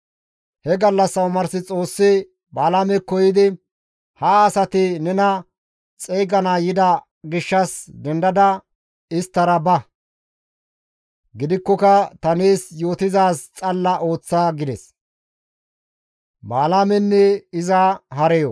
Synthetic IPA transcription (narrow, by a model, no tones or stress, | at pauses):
hɛɡɐlːɐsːɐwmɐɾsɪt͡sʼo̞ːsːɪ | baːlaːmɛkːɔjɪd̪ɪ | hɐːsɐt̪ɪnɛnɐ | t͡sʼejɡɐnaːjɪd̪ɐ | ɡɪʃːɐsd̪ɛnd̪ɐd̪ɐ | ɪst̪ːɐɾɐbɐ | ɡɪd̪ɪkːɔkɐt̪ɐneːsjo̞ːt̪ɪzaːst͡sʼɐlːɐʔo̞ːt͡sːaːɡɪd̪ɛs | baːlaːmɛnːɛɪzɐɦɐɾɛjɔ